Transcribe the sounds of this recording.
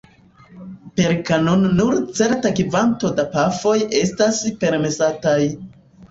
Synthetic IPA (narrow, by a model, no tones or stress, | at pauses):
pe̞ɾkanonːuɾt͡se̞ɾtakivanto̞dapafo̞je̞staspe̞ɾme̞sataj